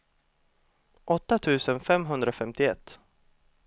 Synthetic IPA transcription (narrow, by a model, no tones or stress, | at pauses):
ʔɔt̪ːat̪ʰʉ̟ːsənfɛmɦɵnd̪ɾafɛmt̪ɪɛt̪ː